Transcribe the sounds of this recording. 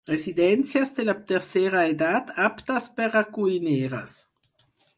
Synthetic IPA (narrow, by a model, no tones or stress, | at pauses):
ʁezid̪ɛnt͡sjasd̪elat̪eɾseɾaed̪at̪apt̪aspeɾakuineːɾa̰s